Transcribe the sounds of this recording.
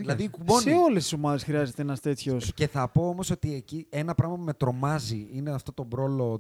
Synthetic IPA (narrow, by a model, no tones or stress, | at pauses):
ilɐðikuonseolest̪isomɐðe̞sxɾiɐzet̪eenɐst̪e̞t̪çosce̞θɐpo̞omo̞so̞t̪iecie̞nɐpɾɐɣmɐpume̞t̪ɾo̞mɐziineɐft̪o̞t̪o̞bɾo̞lo̞